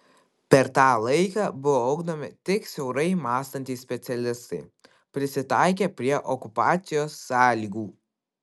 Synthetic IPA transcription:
pʲɛɾt̪ɑːlˠɐɪkɑːbʊʋoɐʊɡd̪ɐmʲɪt̪ʲɪksʲɛʊɾɐɪmɑːst̪ɐnʲt̪ʲɪsʲpʲɛt̪sʲɛlʲɪst̪ɐɪ | pʲɾʲɪsʲɪt̪ɑɪk̬ʲepʲɾʲiɛʔɔkʊpɑːt̪sʲɪjoːsːɑːlʲiːɡuː

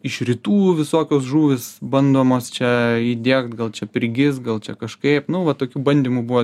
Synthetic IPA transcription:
ɪʃɾʲɪt̪uːʋʲɪsoːkʲoːsʒuːʋʲɪsbɐnd̪oːmoːst͡ʃʲɛiːd̪ʲeɛkt̪ɡɐlˠt͡ʃʲɛpʲɾʲɪɡʲɪst̪ɡɐlˠt͡ʃʲɛkɐʃkɐɪpnʊʋɐt̪oːkʲuːbɐnʲd̪ʲiːmubuʋoː

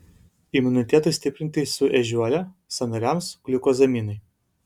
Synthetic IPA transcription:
ɪmʊnʲɪt̪ʲɛt̪ɐɪsʲt̪ʲɪpʲɾʲɪnʲt̪ʲɪsʊʔɛʒʲuɔlʲɛ | sɐnɐɾʲɛmsklʲʊkoːzɐmʲiːnɐɪ

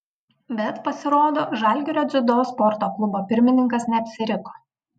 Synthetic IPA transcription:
bʲɛt̪pɐsʲɪɾoːd̪oːʒɐˑlʲɡʲɪɾʲoːzʲɪd̪oːspɔɾt̪oːklˠʊboːpʲɪɾʲmʲɪnʲɪŋkɐsnʲɛɐpʲsʲɪɾʲɪko̥ː

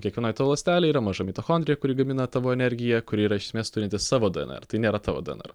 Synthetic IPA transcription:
kʲiɛkʋʲɛnoːjt̪ːʋolˠɐsʲt̪ʲæːlʲɛɪiɾɐmɐʒɐmʲit̪oxoːnʲd̪ɾʲɪjɛkʊɾʲiːɡɐmʲɪnɐt̪ɑʋoːɛnʲɛɾʲɡʲɪjɛkʊɾʲiiːɾɐɪʃʲsʲɪmʲeːst̪ʊɾʲɪnʲt̪ʲɪsɑːʋoːd̪ʊɛ̰nɛ̰ɾt̪ɐɪnʲeːɾɐt̪ɑːʋo̰d̪ʊɛ̰nɛ̰ɾ

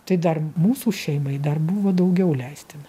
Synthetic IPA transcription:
t̪ɐɪd̪ɐrmuːsuːʃʲɛɪmɐɪd̪ɐrbʊʋoːd̪ɐʊɡʲɛʊlʲɛɪsʲt̪ʲɪn

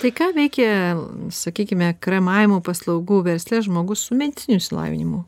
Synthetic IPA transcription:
t̪ɐɪkɑːʋʲɛɪkʲɛsɐkʲiːkʲɪmʲɛkɾɐmɑːʋʲɪmuːpɐslˠɐʊɡuːʋʲɛɾʲsʲlʲɛʒmoːɡʊssʊmʲɛd̪ʲɪt͡sʲɪnʲʊsʲɪlˠɑ̰ːʋʲɪ̰nʲɪmʊ

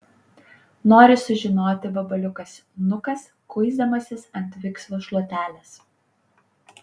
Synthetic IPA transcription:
noːɾʲɪsʊʒʲɪnoːt̪ʲɪbɐbɐlʲʊkɐsnʊkɐs | kʊɪzd̪ɐmɐsʲɪsɐnʲt̪ʲʋʲɪkslˠoːʃlˠuɔt̪ʲæːlʲɛs

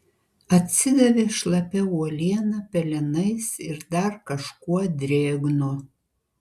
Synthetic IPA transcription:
ɐt̪ʲsʲɪd̪ɐʋʲeːʃlˠɐpʲɛuɔlʲiɛnɐpʲɛlʲɪnɐɪsɪɾd̪ɐɾkɐʃkuɔd̪ʲɾʲeːɡno

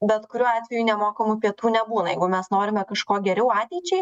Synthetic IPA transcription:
bʲɛt̪kʊɾʲuːɑːt̪ʲʋʲɛjunʲɛmoːkɐmupʲiɛt̪uːnʲɛbuːnɐjɛɪɡʊmʲɛsnoːɾʲɪmʲɛkɐʃkoːɡʲɛɾʲɛʊɑːt̪ʲɛɪt͡ʃʲɛɪ

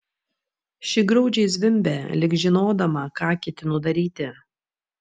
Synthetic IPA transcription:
ʃʲɪɡɾɔʊd͡ʒʲɛɪsʲʋʲɪmʲbʲɛlʲɪɡʒʲɪnoːd̪ɐmɐkɑːkʲɪt̪ʲɪnʊd̪ɐɾʲiːt̪ʲɪ

